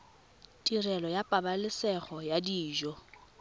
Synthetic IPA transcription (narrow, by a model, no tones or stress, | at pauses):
tʼirɛlɔjapʼabalɪsɛɣɔjadiːʒɔ